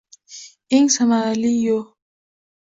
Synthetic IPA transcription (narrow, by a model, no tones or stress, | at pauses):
iŋsamaɣalijo